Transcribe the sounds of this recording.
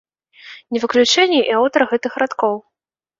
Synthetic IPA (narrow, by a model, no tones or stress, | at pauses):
nʲɛvɨklʲut͡ʂɛnʲːɛʔiawt̪ɐɾɐɣɛt̪ɨxɾat̪kɔw